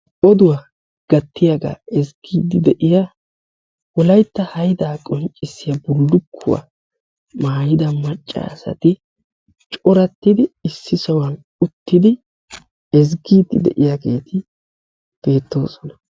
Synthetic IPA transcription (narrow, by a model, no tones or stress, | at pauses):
ɔd̪ʊwa | ɡ̥ɐt̪ːɪjɐɡa̰ːɛsɡiːd̪ːɪd̪ɛʔɪja | wɔlɐjt̪ːɐhɐjd̪aːkʼɔnt͡ʃʼːɪsːɪjɐbʊlːʊkʰːʊ̰wa̰ | maːjɪd̪ɐmɐt͡ʃʼːa̰sɐ̰t̪ɪ | t͡ʃʼɔɾɐt̪ːɪd̪ɪɪsːɪsɐwɐn | ʊt̪ːɪd̪ɪ | ɛz̬ɡiːd̪ːɪ̰d̪ɛ̰ʔɪjaɡe̞ːt̪ʰɪ | b̥e̞ːt̪ːo̞̰ːsɔnɐ̥